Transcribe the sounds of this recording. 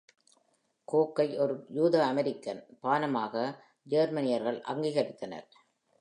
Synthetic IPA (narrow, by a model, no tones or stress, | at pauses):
koːkːɐɪʔɔɾɯjuːðɐɐmɛɾɪkːɐnpaːnɐmaːɣɐ | d͡ʒeːɾmɐnɪjɐɾɣɐɭʔɐ̰ŋɡiːɣɐɾɪt̪ːɐnɐ̰ɾ